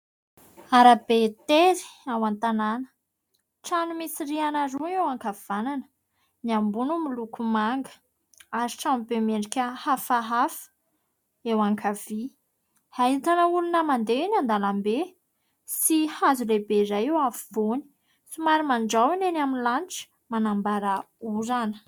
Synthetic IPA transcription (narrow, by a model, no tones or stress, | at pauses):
aɾab̥et̪eɾi̥awant̪ananə̥ | ʈ͡ʂanumisirianaɾuewaŋkav̥ananə̥ | niambunumilukumaŋɡə̥ | aɾiʈ͡ʂanbemeɳɖ͡ʐikʲəhafaɦafə̥ | ewaŋkʰavi | hait̪anəulunəmand̪einand̪alambe | sihazulebezajiwafivoni̥ | sumaɾimaɳɖ͡ʐawinenaminlanʈ͡ʂi̥ | manambaɾa | uɾanə̥